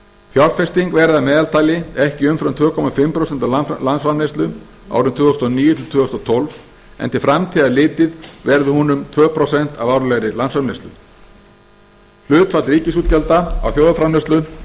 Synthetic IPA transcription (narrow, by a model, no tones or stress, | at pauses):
hjɔɾfɛst̪iŋkvɛɾðamɛːðalt̪ʰaːjlɪɛhcɪʏmfɾamt̪ʰvœːkʰɔmafɪmpɾosɛnt̪awalansfɾamnest̪lʏ | a̰ːwɾʏmt̪ʰvʏːɔst̪ɔniːjʏt̪ʰɪlt̪ʰvʏːɔst̪ɔt̪ʰɔlv | ɛ̰nt̪ɪ̥fɾamt̪ʰiːðalɪːt̪ɪðvɛɾðʏhunʏmt̪ʰvœːpʰɾosɛn̥t̪avawɾlɛɣɾɪlansfvaɾmnejst̪lʏ̰ | l̥ʏːt̪fat̪lɾiːcɪs̬uːt̪̚cɛlt̪aa̰wθjoːwðafɾanœst̪lʏ